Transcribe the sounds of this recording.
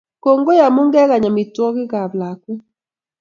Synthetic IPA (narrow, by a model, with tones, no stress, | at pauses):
ko˨ŋɡo˦ja˨mu˦ŋɡɛ˦ɣa˨ɲa˨mɪ˨twɔ˦ɣɪ˦ɣa˨βla˨kwɛ˦